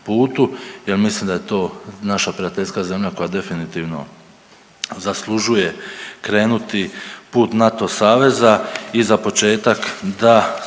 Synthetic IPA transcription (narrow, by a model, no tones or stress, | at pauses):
puːt̪uje̞lmislimd̪ajet̪o̞ːnaʃapɾiat̪e̞ʎʲskaze̞mʎako̞jad̪e̞finit̪iːʋno̞̰ | zaslˠuʒuje̞kɾe̞ːnut̪ipuːt̪nat̪o̞saːʋe̞zaizapo̞t͡ʃe̞ːt̪akd̪a